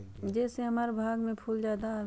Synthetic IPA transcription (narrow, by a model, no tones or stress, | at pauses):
d͡ʒɛːseɦɐmaːɾebʱaːɡmẽpʰuːld͡ʒjaːd̪al